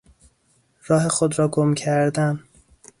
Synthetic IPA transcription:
rɒːɦe̞xod̪ɾɒːɡomcʰæɾd̪æn

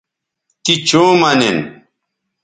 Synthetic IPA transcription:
t̪it͡ɕoːmɐnen

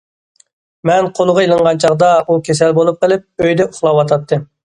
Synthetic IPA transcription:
mɛnqʰolˠʊʁɑjilˠɨɴʁɑnt͡ʃʰɑʁd̪ɑukʲʰesɛlbolˠup̚qəlˠɪp̚øjd̪ɛuχlˠɑwɑt̪ʰɑt̪ʰːɨ

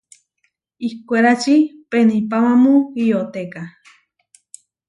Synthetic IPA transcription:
ihkʷeɾat͡ʃipenĩpamãmũɣiot̪eka

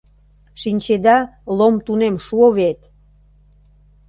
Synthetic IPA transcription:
ʃinʲt͡ɕed̪ɑlomt̪unemʃuoβet̪

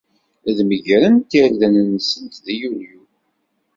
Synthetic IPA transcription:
ðməʝɾənt̪əɾðænənsənt̪ðijulju

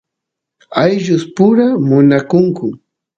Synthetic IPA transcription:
ajʒʊspʊɾamʊnakʊŋkʊ

